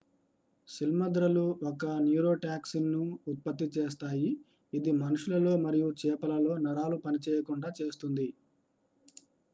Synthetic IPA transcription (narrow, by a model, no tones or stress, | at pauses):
ʃilmɐd̪ɾɐluɔkɐnjuːɾo̞ːʈaːksinːuːt̪̚pɐt̪ːit͡ʃeːs̬t̪aːjiː | d̪imɐnuʂulɐlo̞ːmɐɾijut͡ʃɛːpɐlɐlo̞ːnɐɾaːlupɐnit͡ʃɛːjɐkuɳɖaːt͡ʃeːst̪und̪i